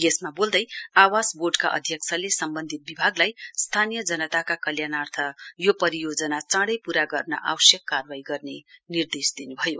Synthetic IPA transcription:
jesmabold̪ʌjawasborɖkaʔʌ̰d̪ʱjʌkt͡sʰʌlesʌmbʌnd̪ʱit̪̚bibʱaɡlajst̪ʰanijʌd͡zʌnʌt̪akakʌljanart̪ʰʌjopʌɾijod͡zʌnat͡sãɽʌjpuɾaɡʌrnʌ̰ʔa̰wʌsjʌkːarwaiɡʌrnenird̪esd̪inubʱʌjo

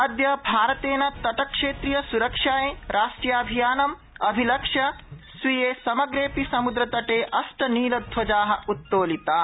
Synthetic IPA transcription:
ɐd̪jɐbʱaːɾɐt̪eːnɐt̪ɐʈɐkʂeːt̪ɾijɐsuɾɐkʂaːjeɾʔaːʂʈɾijaːɐbʱijaːnɐm | ɐbʱilɐkʂɐsʋijeːsɐmɐɡɾeːpisɐmud̪ɾɐt̪ɐʈeːʔɐsʈɐniːlɐd̪ʱʋɐd͡ʒaːɦɐ̆ut̪ːoːlit̪aː

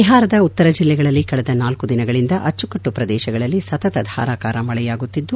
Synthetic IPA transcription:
iɦaːɾɐd̪ɐut̪ːɐɾɐd͡ʒilːɛɡɐɭɐlːikɐɭɛd̪ɐnaːlkud̪inɐɡɐɭind̪ɐʔɐt͡ʃːukɐʈːupɾɐd̪ɛːʃɐɡɐɭɐlːisɐt̪ɐt̪ɐd̪ʱa̰ːɾaːkaːɾɐmɐɭɛjaːɡutt̪ːid̪ːu

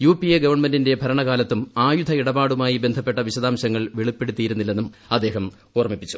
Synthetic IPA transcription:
juːpieɡɐʋɐrɳme̞ndinde̞bʱɐɾɐɳɐɣaːlɐt̪ːumaːjud̪ʱɐiɽɐbaːɽumaːjibe̞nd̪ʱɐpːe̞ʈːɐʋiɕɐd̪aːmɕɐŋːɐɭʋeɭipːe̞ɽut̪ːijiɾunːilːe̞nːumɐd̪ːe̞ːɦɐm | oːrɐmipːit͡ɕːu̥

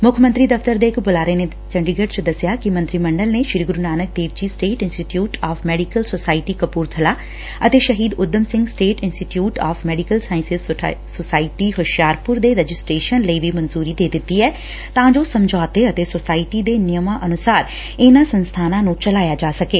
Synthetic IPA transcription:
mʊkʰmənt̪ɾiːd̪əft̪əɾd̪eːɪkbʊlaːɾene | t͡ʃəɳɖiɡəɖt͡ʃd̪əsɪjaːkimə̃nt̪ɾiːməɳɖəlneːʃɪɾiɡʊɾunaːnək̚d̪eːʋt͡ʃiːsʈeːʈɪnsʈiʈjuːʈaːfʰmɛːɖikəlsoːsaːɪʈiːkəpuːɾt̪ʰəlaː | ət̪eːʃəɦiːd̪ʊd̪əmsɪ̃ŋɡsʈeːʈɪnsʈiʈjuːʈaːfʰmɛːɖikəlsaːɪ̃nsɪzsosaːɪʈiːɦʊʃjaːɾpʊɾd̪eːɾɛd͡ʒɪsʈɾeːʃənləiːʋiːmənzuːɾiːd̪eːd̪ɪt̪ːiːɛː | t̪ãːd͡ʒoːsəmd͡ʒɔːt̪eːət̪eːsoːsaːɪʈid̪eːnɪjəmãːʔənʊsaːɾ | ɪnãːsənst̪ʰaːnãːnũːt͡ʃəlaːjaːd͡ʒaːsəkeː

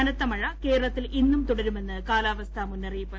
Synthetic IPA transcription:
ɐnɐt̪ːɐmɐɻɐke̞ːɾɐɭɐt̪ːilʔinːumt̪uɽɐɾume̞nːɨkaːlaːʋɐst̪ʰɐmunːɐrijpːɐ

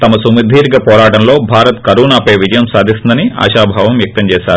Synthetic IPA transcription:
t̪ɐmɐsumid̪ʱiːɾɡɐpɔːɾaːʈɐmlo̞ːbʱaːɾɐt̪kɐɾuːnaːpɐjʋid͡ʒɐjɐmsaːd̪ʱist̪ind̪ɐnia̰ːʃaːbʱaːʋɐmʋjɐk̚t̪ɐmt͡ʃɛːʃaːɾuu

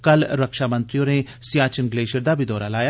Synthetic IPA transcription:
kəlɾəkʃaːmənt̪ɾijõːneː | sjaːt͡ʃənɡleːʃəɾd̪aːbʱiːd̪ɔːɾaːlaːjaː

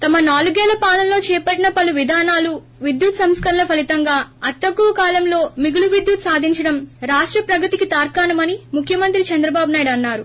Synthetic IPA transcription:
t̪ɐmɐnaːluɡɛːlɐpaːlɐmlo̞ːt͡ʃɛːpɐʈːinɐpɐluʋid̪ʱaːnaːlu | ʋid̪jut̪sɐmskɐɾɐlɐpʰɐlit̪ɐŋɡaːɐt̪ːɐkːuʋɐkaːlɐmlo̞ːmiɡuluʋid̪jut̪saːd̪ʱiɲt͡ʃɐɽɐmɾaːʂʈɾɐpɾɐɡɐt̪ikit̪aːɾkaːnɐmɐnimukʰjɐmɐnt̪ɾit͡ʃɐnd̪ɾɐbaːbunaːjɽɐnːaːɾu

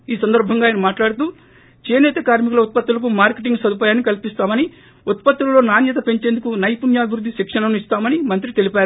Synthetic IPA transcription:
iːsɐnd̪ɐɾbʱɐŋɡaːjinɐmaːʈlaːɽut̪uː | t͡ʃeːnɛt̪ɐkaːɾmik̬ulɐut̪̚pɐt̪ːulɐk̬umaːɾkeʈ̬iŋɡsɐd̪upaːjaːnːikɐlpist̪aːmɐni | ut̪̚pɐt̪ːulɐlo̞ːnaːnjɐt̪̬ɐpe̞ɲt͡ʃe̞ːnd̪ukunɐjpunjaːbʱiʋɾud̪ːiʃikʂɐnɐmist̪aːmɐnimɐnt̪ɾit̪e̞lipaːɾu

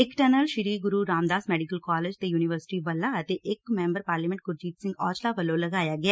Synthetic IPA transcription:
ɪkʈənəlʃɪɾiːɡʊɾuːɾaːmd̪aːsmɛːɖikəlkaːleːd͡ʒt̪ejuːnɪʋəɾsɪ̥ʈiːʋəlːaət̪eʔɪkmɛ̃ːmbəɾpaːɾliːmɛ̃ɳʈ̚ɡʊɾd͡ʒiːt̪sɪ̃ŋɡɔːt͡ʃlaːʋəlːõləɡaːjaːɡɛaː

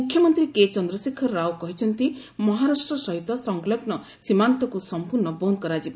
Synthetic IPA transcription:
ukʰjɔmɔnt̪ɾiket͡ʃɔnd̪ɾɔsikʰːɔːawkɔɦit͡ʃʰɔnt̪i | mɔɦaɾasʈɾɔsɔɦit̪ɔsɔŋɡlɔɡnɔ | simant̪ɔkusɔmpuɾnɔbonkɔɾad͡ʒib

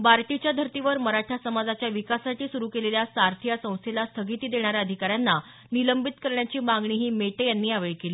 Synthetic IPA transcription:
baɾʈit͡ɕjad̪ʱəɾt̪iʋəɾməɾaʈʰasəmad͡zat͡ɕjaʋikasaʈʰiːsuɾuːkeleljasaɾt̪ʰjasə̃w̃st̪ʰelast̪ʰəɡit̪iːd̪eɽ̃aɾjaəd̪ʱikaɾjanːa | niləmbit̪kəɾɳjat͡ɕiːmaŋɡɳiːɦiːmeʈejanːiːaʋeɭkeliː

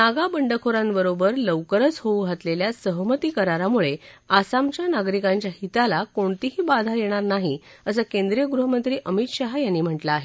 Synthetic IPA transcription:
naɡabəɳɖəkʰoɾambəɾobəɾləʋkəɾət͡sɦouɡʱat̪leljasəɦmət̪iːkəɾaɾamuɭeasamt͡ɕjanaɡɾikãɲt͡ɕjahit̪alakoɳt̪iɦiːbad̪ʱajeɽ̃aɾnaɦi | əsəkend̪ɾijəɡɾuɦəmənt̪ɾiːʔəmit̪ɕaɦjanːiːm̤əʈlaːɦe

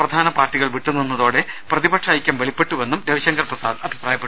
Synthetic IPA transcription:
prɐd̪ʱaːnɐpaːrtːiɣɐɭʋiʈːunːinːɐðo̞ːɽe̞prɐðibɐʈʂaːjikʲːɐmʋeɭipːe̞ʈːuʋenːumd̪eʋiɕɐŋɡɐrprɐsaːd̪ɐbʱipraːjɐpːe

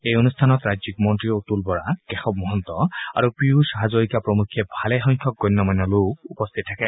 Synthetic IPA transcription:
ejonustʰanɔtɹazikmɔntɹiotulbɔɹakɛxɔb̚mɔɦɔnt̪ɔa̰ɹupɹiusaɦazoɹikapɹɔmukʰːɛbʱalɛxɔŋkʰɔk̚ɡɔjnːɔmajnːɔlukupɔst̪ʰit̚ʰːakɛ

